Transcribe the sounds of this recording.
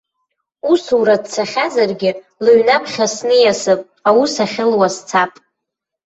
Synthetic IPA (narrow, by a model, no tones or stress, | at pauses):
usuɾad̚t͡sʰaχʲazarɡʲɪ | lɨɥnapʰχʲasnɨjasɨpʼ | awusaχʲɪlwast͡sʰapʼ